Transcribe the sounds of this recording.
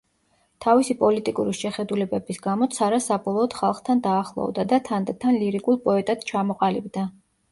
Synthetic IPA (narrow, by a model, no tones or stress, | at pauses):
t̪ʰavisipʼɔlit̪ʼikʼuɾiʃɛχɛd̪ulɛbɛbisɡamɔt̪sʰaɾasabɔlˠɔːd̪̥χalˠχt̪ʰand̪aːχlˠɔ̰vd̪ad̪at̪ʰand̪t̪ʰanliɾikʼulˠpʼɔɛt̪ʼad̪̥t͡ʃʰamɔqʼalibd̪a